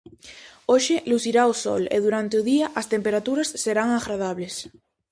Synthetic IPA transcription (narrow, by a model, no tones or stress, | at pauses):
oʃeluθiɾaosɔ̰lḛðuɾant̪eʊðiaʔɐst̪empeɾat̪uɾasːeɾaŋaɣɾað̞aβles